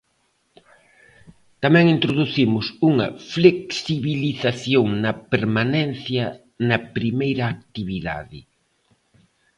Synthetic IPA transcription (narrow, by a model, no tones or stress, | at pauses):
t̪amɛ̃ŋint̪ɾoðuθimʊsuŋɐfleksiβiliθaθjoŋnɐpeɾmanɛn̟θjɐ | nɐpɾimejɾɐːk̚t̪iβiða̰ðɪ